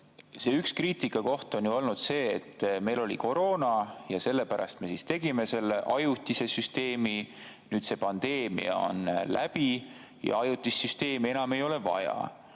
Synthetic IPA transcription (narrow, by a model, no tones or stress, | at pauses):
seːykskriːt̪ikːˑɑko̞ht̪o̞njuo̞lnud̪̥se̞ːt̪ːme̞jlo̞liko̞ɾo̞ːnɑjɑse̞lːe̞pæɾɑ̰st̪me̞sist̪e̞ɡime̞se̞lːeʔɑjut̪ʲːˑise̞syst̪e̞ːmi | nyːd̪̥se̞pɑnd̪̥e̞ːmḭɑ̰o̞̰nlæ̰b̥i | jɑ̰ɑjut̪ʲːˑisːyst̪e̞ːmie̞nɑmejo̞le̞vɑ̰jɑ̰